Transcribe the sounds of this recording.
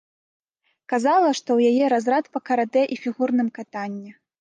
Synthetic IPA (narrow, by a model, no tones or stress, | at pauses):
kazalˠɐʂt̪ɔwjajɛɾazɾat̪pɐkɐɾad̪ɛʔifʲiɣurnɨmkat̪anʲːɛ